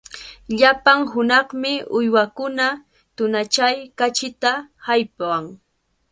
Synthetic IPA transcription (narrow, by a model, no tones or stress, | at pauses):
ʎapaŋɦʊnɑχmɪʊjwakʊna | t̪ʊnat͡ʃajkat͡ʃɪt̪ahajpaŋ